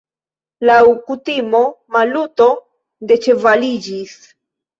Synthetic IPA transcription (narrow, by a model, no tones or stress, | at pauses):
lawkutimo̞maluto̞ | de̞t͡ʃe̞valid͡ʒis